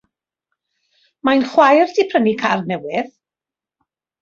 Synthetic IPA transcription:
majnχwajrdʰipʰrənikʰarnɛwɪð

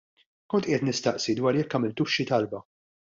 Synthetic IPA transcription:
kɔnt̪ʔɪjɛt̪nɪst̪ɐʔsid̪wɐːɾjɛkːɐːmɪlt̪uːʃːit̪ɐlbɐ

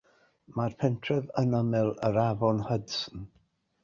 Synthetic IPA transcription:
marpʰɛntʰrɛðənəmɛlˠəɾavɔnhədsn̩

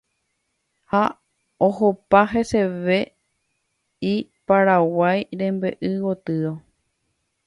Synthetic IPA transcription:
ha | ohopaɦeseʋe̞ | ipaɾawajɾẽ̞mbe̞ʔɨwot̪ɨɾo

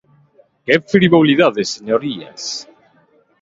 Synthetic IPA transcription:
kefɾiβoliðaðeseɲoɾia̰s

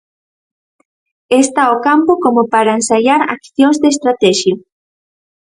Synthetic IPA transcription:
est̪aokampokomopaɾaensaʎaɾa̰kθjoŋzd̪est̪ɾat̪ɛʃjo

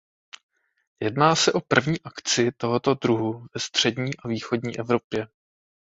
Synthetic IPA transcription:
jɛdnaːsɛʔo̞pr̩vɲiːʔakt͡sɪt̪o̞ɦo̞t̪o̞d̪ɾuɦuvɛst̪r̝̥ɛdɲiːʔaviːxo̞dɲiːʔɛvɾo̞pjɛ

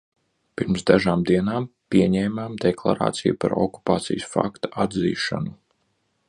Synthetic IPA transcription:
piɾmsd̪aʒaːmd̪iɛnaːmpʲiɛɲɛːmaːmd̪ɛklˠa̰ɾa̰ːt̪sijupaɾɔku̥paːt̪sḭjsfa̰kt̪aad̪zḭːʃa̰nu

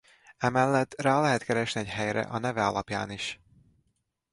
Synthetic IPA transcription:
ɛmɛlːɛt̪ːraːlɛɦɛt̪kɛɾɛʃniɛcɦɛjɾɛ̰ʔɒnɛvɛɒlɒpja̰ːniʃ

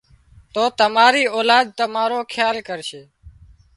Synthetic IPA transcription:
t̪oːt̪əmaːɾiːoːlaːd̪̚t̪əmaːɾoːkʰjaːlkəɾʃeː

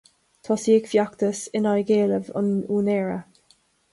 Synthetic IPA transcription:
t̪ʰɔsikfjakt̪əsɪnajɡeːləvʊ̰nuːnɛːɹə̰

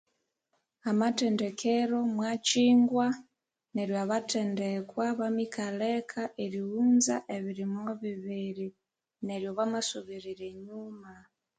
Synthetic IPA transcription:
amatendekʰeɾo̞mwat͡ʃiːŋɡwa | neɾjaβatendekwaβamikʰalekʰaʔeɾihuːnzaʔeβiɾimoβiβiɾi | ne̞ɾjo̞βamasuβiɾiɾeɲuma

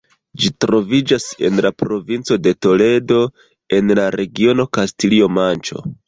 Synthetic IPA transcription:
d͡ʒitɾo̞vid͡ʒase̞̰nlapɾo̞vint͡so̞de̞to̞le̞do̞ | e̞nlaɾe̞ɡio̞no̞kastilio̞mant͡ʃo̞̰

